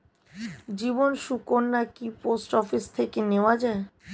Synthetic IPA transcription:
d͡ʑibonʃukonːakiposʈɔfist̪ʰekeneoad͡ʑae

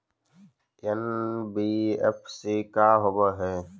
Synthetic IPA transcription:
enbiːḛpʰsiːkaːɦobəɦɛː

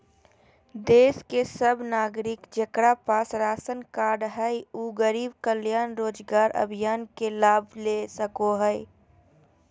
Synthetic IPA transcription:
d̪eːskesəbnaːɡɾɪkd͡ʒəkɾapaːsɾaːsənkaːɾɖɦɛjuːɡəɾiːbkəljaːnɾoːd͡ʒɡaːɾʔə̰bʱijaːnkelaːbʱlesəkoɦɛɪ

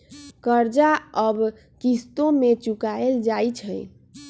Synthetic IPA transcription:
kəɾd͡ʒaəb | kist̪õmet͡ʃukaeld͡ʒajt͡ʃʰəj

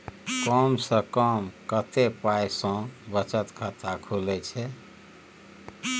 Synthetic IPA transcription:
kɔmsə̃kəmkət̪epajsə̃bət͡ʃət̪kʰət̪ʰakʰulɛt͡ʃʰɛ

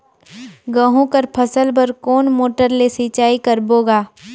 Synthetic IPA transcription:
ɡɐ̃ɦũkɐɾpʰɐsəlbɐɾkoːnmoːʈəɾlesit͡ʃaːikɐɾboːɡaː

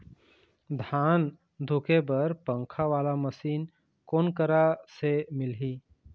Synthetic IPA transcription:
d̪ʱaːn | d̪ʱʊkebəɾpə̃ŋkʰaʋaːlaməsiːn | koːnkəɾasemɪlɦi

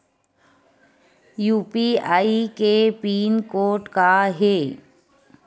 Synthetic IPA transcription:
juːpiaːikepiːnkoːʈkaɦeː

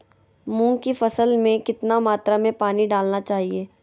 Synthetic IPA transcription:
mũːkifɐsəlmẽkɪt̪namaːt̪ɾamẽpaːniɖaːlnat͡ʃaːɦieː

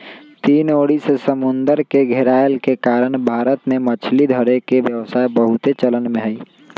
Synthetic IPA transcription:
t̪iːnoɽisesəmund̪əɾkeɡʱeɾaelkekaɾəɳ̃bʱaɾət̪memət͡ʃʰlid̪ʱəɾekebjəwsaebəɦut̪et͡ʃələnmẽɦəj

